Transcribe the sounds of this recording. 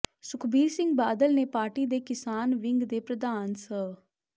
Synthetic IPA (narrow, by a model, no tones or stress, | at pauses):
sʊkʰbiːɾsɪŋɡbaːd̪əlneːpaːɾʈiːd̪eːkɪsaːnʋɪŋɡd̪eːpɾəd̪aːnsə